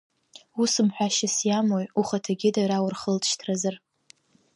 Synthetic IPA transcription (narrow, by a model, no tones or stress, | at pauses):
usɨmħʷᶣaʃɪsjamojuχatʰaɡʲɪdaɾawʊrχəltʰʼʃtʰrazar